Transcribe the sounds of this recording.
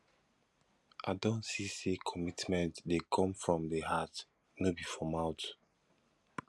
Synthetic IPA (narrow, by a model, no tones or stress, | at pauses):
ʔa̰dõntsisekʰɔmitmɛ̃ntdekʰɔ̃mfɹɔ̃mdəhat | nobifɔmaʊt